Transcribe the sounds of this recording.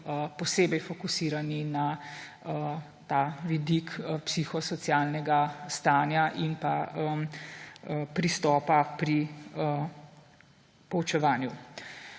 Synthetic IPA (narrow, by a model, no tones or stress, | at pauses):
əpɔseːbɛjfɔkusiːɾanina | ə | t̪aːʋid̪ikəpsixɔsɔt̪sjaːlnɛɡast̪aːnjaʔinpaəm | pɾist̪ɔːpapɾi | pɔwt͡ʃɛʋaːnju